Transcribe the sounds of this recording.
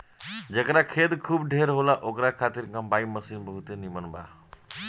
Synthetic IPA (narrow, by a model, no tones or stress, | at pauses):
d͡ʒəkɾakʰeːt̪kʰuːbɖʱeːɾɦoːlaʔokɾakʰaːt̪iɾkãmbaːiməsiːnbəɦut̪enimənba̰ː